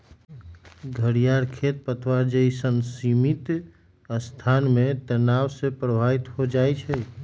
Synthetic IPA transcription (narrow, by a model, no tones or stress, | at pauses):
ɡʱəɽijaɾkʰet̪̚pət̪ʰʋaɾd͡ʒəisənsimit̪ | st̪ʰanmẽt̪ənawsepɾəbʱait̪ɦod͡ʒajt͡ʃʰɛ